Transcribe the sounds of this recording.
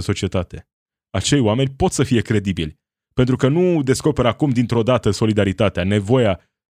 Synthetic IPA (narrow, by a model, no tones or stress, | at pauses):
nso̞t͡ʃiet̪at̪e̞ | at͡ʃe̞jwame̞nʲpo̞t̪səfije̞kɾe̞d̪ibilʲ | pe̞nt̪ɾukənud̪e̞sko̞pe̞ɾakumd̪int̪ɾo̞d̪at̪əso̞lid̪aɾit̪at̪eane̞vo̞ja